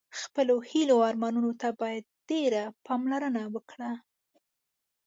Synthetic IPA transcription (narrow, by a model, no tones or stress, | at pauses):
xpəlohiloɑɾmɑnunot̪abɑjad̪̚ɖ̥eɾapʰɑmlaɾənawəkɽa